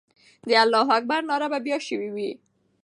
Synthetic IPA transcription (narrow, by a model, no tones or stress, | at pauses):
d̪əalːɑɦak̚baɾnɑɾababjɑʃəwiwi